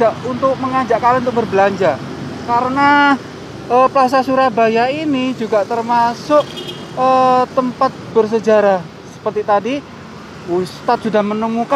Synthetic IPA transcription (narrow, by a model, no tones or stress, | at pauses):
aʔunt̪ʊk̚məŋad͡ʒaʔkalant̪ʊk̚bərbəlaɲd͡ʒa | kaɾəna | əpəlas̬asuɾabajainid͡ʒuɡaʔt̪ərmasʊʔ | ət̪əmpat̪̚b̥ərs̬əd͡ʒaɾa | sə̥pərt̪it̪adi | ust̪at̪̚sudahmənəmuka